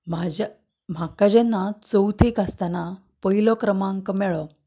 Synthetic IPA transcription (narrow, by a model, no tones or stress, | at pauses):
md͡ʑ | m̤akad͡ʑenːat͡səwt̪ʰikast̪ana | pəɦilɔkɾəmãŋkəmɛɭɔ